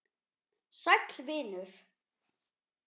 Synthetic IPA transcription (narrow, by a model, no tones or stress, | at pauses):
sajklvɪːnʏɾ̥